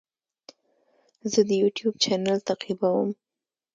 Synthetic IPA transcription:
zəd̪əjuʈjub̚t͡ʃanalt̪aqibawəm

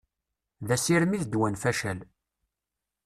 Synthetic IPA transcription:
ðæsiɾmiðd̪wænfæʃæl

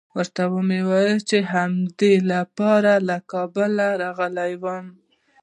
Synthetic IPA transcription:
wəɾt̪awəmewajəlt͡ʃeɦamd̪elapɑɾalakɑbəlaɾɑɣəlajwəm

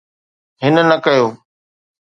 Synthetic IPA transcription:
ɦɪnnəkəjoː

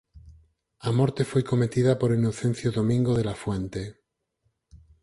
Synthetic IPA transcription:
amoɾt̪e̞fwe̞jko̞me̞t̪iðapo̞ɾinoθẽ̞n̟θjoðomĩŋɡoðe̞lafwẽ̞nt̪e

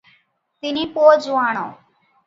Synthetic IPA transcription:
t̪ɪnĩːpoːd͡ʒuaːɳõː

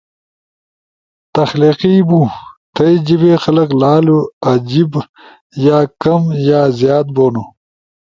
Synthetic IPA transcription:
t̪ɐxliːqibũt̪ʰɐjd͡ʑibeːxɐlɐklaːluad͡ʑib | jaːkɐmjaːzjaːt̪̚boːnu

